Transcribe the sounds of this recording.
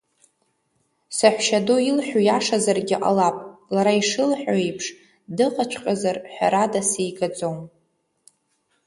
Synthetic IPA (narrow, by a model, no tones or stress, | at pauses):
saħʷʃadoilħʷᶣujaʂazarɡʲɪʔʼa̰lapʼlaɾaiʂɨlħʷᶣaejpʰʂ | dɨqʼat͡ʃʷʰqʲʼazarħʷᶣa̰ɾadasejɡad͡zom